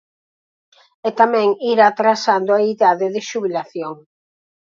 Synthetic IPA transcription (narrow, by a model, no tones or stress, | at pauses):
et̪amɛ̃ŋiɾat̪ɾasand̪oaiðaðɪðɪʃuβilaθjoŋ